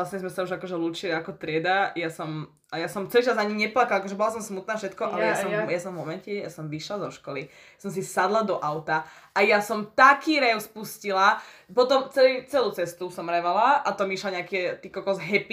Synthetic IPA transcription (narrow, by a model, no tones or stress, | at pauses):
lasɲɛzmɛsauʒakɔʒɛluːt͡ʃiliakɔt̪ɾɪɛd̪ajasɔm | ajasɔmt͡sɛliːt͡ʃazaɲiɲɛplakalakɔʒɛbɔlas̬ɔmsmut̪naːfʃɛt̪kɔʔʔalɛjasɔmjasɔ̃ɱvmɔmɛncɛja̰sɔmʋiʃlazɔʃkɔli | jasɔms̬isad̪lad̪ɔʔaʊt̪a | ajasɔmt̪akiːɾɛʊspuscilapɔt̪ɔmt͡sɛlit͡sɛluːt͡sɛst̪usɔmɾɛʋalaʔat̪ɔmiʃlaɲɛakɛt̪iːkɔkɔzɦɛpi